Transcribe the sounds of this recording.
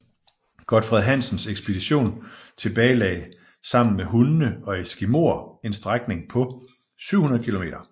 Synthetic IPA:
ɡ̥ɒd̥fʁɛðˠɦæn̰sn̩seɡ̥sb̥e̝d̥iɕo̝̰ːnt͡sʰe̝b̥ɛːɪlɛ̰ːɪ | sɑ̈m̰n̩meɦunːəɒ̽esɡ̥imo̝̰ɐe̝nsd̥ʁaɡ̥ne̝ŋpʰɒ̽ | syʊ̰hunɐð̞̩ˠkʰilo̝me̝ːɾ̥ɐ

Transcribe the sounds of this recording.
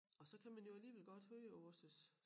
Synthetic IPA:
ɒ̽sɒ̽kʰæmænjo̝æliːʋelɡ̥ɒ̽d̥høːɔsəs

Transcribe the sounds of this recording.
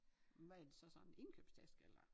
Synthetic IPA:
ʋææɐd̥e̝sɒ̽sɒ̽ne̝nkʰø̰b̥sdʰæsɡ̥elɐ

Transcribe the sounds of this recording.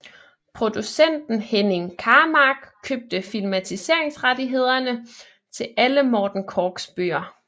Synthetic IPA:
pʰʁo̝d̥usen̰d̥n̩heneŋkʰɑ̈ːmɑ̈ɡ̥kʰøb̥̚d̥əfilmæt͡sʰise̝̰ɐeŋsʁad̥iɦe̝ð̞̰ˠɐnə | t͡sʰe̝lʔæləmɒːd̥n̩kʰɒːɡ̥sb̥ø̰ːɐ

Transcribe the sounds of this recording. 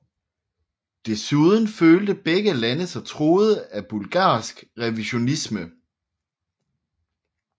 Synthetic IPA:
d̥e̝suð̞ˠn̩føːld̥əb̥eɡ̥əlænəsɒt͡sʰʁo̝ːð̞ˠəæb̥ulɡ̥ɑ̰̈ːsɡ̥ʁɛʋiɕo̝nismə

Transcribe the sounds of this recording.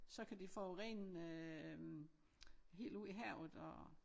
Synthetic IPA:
sɒ̽kʰæd̥ifɒːʁḛnø | ɦe̝̰ːld̥uðˠiɦɛʊ̰ð̩ˠɒ

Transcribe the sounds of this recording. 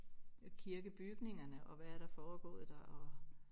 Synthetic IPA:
kʰiɐɡ̥əb̥yɡ̥ne̝ŋɐnəʔɒ̽ʋæːɐɾ̥ɑ̈fɒːɡ̥ɔ̰̽ːð̩ˠd̥ɑ̈ʔɒ̽

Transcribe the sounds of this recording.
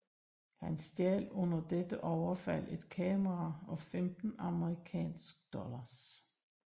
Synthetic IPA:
hænsd̥jɛ̰ːlɔ̽n̰ɐd̥ed̥əʔɒʊɐfæl̰ʔe̝d̥̚kʰɛːməʁɑɒ̽femd̥n̩ɑ̈məʁikʰɛ̰ːnsɡ̥̚d̥ɒ̽lɐs

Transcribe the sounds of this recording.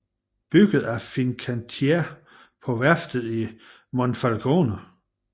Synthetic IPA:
b̥yɡ̥ð̞̩ˠæɐfinkʰænt͡sʰe | pʰɒ̽ʋæɐ̰fd̥ð̩ˠi | monfælɡ̥oːnə

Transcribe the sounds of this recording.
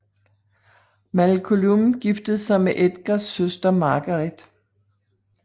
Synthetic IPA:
mælkʰolumɡ̥ifd̥əð̩ˠsɑ̈ɪmeʔed̥ɡ̥ɑsːøsd̥ɐmɑ̈ːɡ̥ɐʁed̥

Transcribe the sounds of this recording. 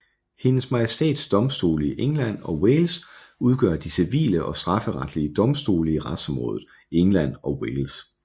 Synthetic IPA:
he̝nəsmɑ̈jesd̥ḛːd̥sd̥ɒ̽msd̥o̝̰ːliʔeŋlæn̰ɒ̽weːlsuð̞ˠɡ̥ɶɐd̥isiʋḭːləʔɒ̽sd̥ʁɑ̈fəʁɑ̈d̥liəd̥ɒ̽msd̥o̝ːləiʁɑd̥sɒ̽mʁɔ̽ːðˠð̩ˠ | eŋlæn̰ɒ̽weːls

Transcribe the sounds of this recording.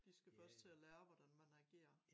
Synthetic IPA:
d̥isɡ̥æfɶɐsd̥̚t͡sʰe̝ælæːɐʋɒd̥ænmænɑɡ̥e̝̰ːɐ

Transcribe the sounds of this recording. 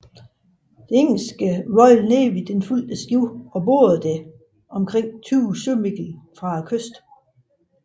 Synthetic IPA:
d̥e̝eŋ̰l̩sɡ̥əʋɒ̽ɪlneːʋid̥enful̰d̥əsɡ̥jiʊɒ̽bo̝̰ːð̩ˠd̥e | ʔɒ̽mkʰʁeŋ̰t͡sʰyːsømiɡ̥l̩fʁɑ̈kʰøsd̥

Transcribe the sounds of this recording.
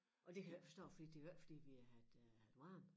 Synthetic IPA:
ʔɒ̽d̥e̝kʰæɡ̥fɒsd̥ɔ̰ːfɒ̽d̥ḭːd̥e̝ɡɡ̥fɒ̽d̥ḭːʋiæhæ̥hæwɑm

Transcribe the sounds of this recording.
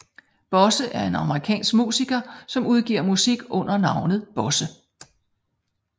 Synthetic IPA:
b̥ɒ̽səʔæɐe̝nɑ̈məʁikʰɛ̰ːnsɡ̥mṵːsiɡ̥ɐsɒ̽muðˠɡ̥ḭɐ̰musiɡ̥ɔ̽n̰ɐnɑ̈ʊnð̞̩ˠb̥ɒ̽sə

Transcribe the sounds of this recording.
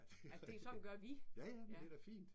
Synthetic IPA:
æsde̝sɒ̽d̥n̩ɡ̥ɶɐʋijæjæmd̥ed̥æfḭːnd̥

